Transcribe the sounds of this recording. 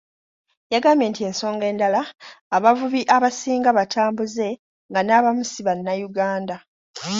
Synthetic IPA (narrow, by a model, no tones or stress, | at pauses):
jaɡaːmbje̞ntie̞nso̞ːŋɡe̞ːndalaːβavuβiʔaβasiːŋɡaβatʰaːmbuze̞ | ŋɡanaβamusiβanːajuɡaːnda